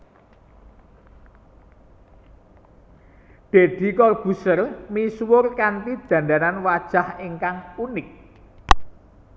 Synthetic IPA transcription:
d̪̥e̤d̪̥i̤kɔrb̥ṳsəlmiswʊrkant̪id̪̥a̤nd̪aɾanwad̥ʒ̥a̤heŋkaŋunɪk̚

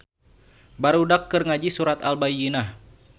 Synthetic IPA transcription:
baɾudakːɨrŋad͡ʒisuɾat̪albajinah

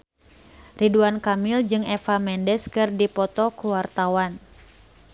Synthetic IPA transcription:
riduankamild͡ʒɨŋɛfamɛndɛskɨrdipɔt̪ɔkuwart̪awan

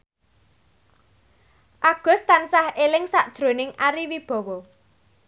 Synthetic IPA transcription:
ʔaɡ̥ʊ̤st̪ansahelɪŋsaʔd̥ʒ̥ɾonɪŋʔaɾiwib̥ɔ̤wɔ

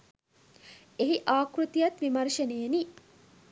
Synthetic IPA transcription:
eɦiʔaːkɾut̪ijat̪ʋimɐrʃənejeni

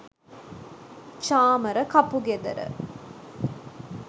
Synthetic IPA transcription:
t͡ʃaːmɐɾɐkɐpuɡed̪ɐ̰ɾə̰

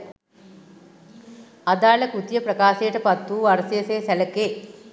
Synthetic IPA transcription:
ɐd̪aːɭɐkut̪jɐprɐkaːseːʈɐpɐt̪ːuʋɐɾseseːsɐlɐkːeː

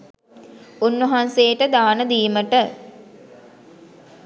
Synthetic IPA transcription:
unːɐɦansejəʈəd̪aːnəd̪iːməʈə

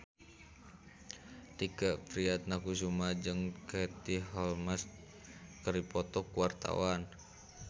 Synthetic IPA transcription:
t̪ikapɾiat̪̚nakus̬umad͡ʒɨŋkɛt̪iɦɔlmas̚ | kəɾipɔt̪ɔkuwart̪a̰wan

